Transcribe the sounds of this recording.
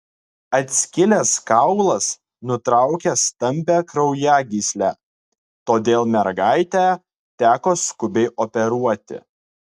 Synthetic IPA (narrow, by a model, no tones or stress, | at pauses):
ɐt̪ʲsʲkʲɪlʲɛskɑʊlˠɐs | nʊt̪ɾɑˑʊkʲɛst̪ɐmʲpʲæːkɾɐʊjæɡʲiːsʲlʲæː | t̪oːd̪ʲeːlˠmʲɛɾɡɑɪt̪ʲæː | t̪ʲæːkoːskʊbʲɛɪʔopʲɛɾuɔt̪ʲɪ̰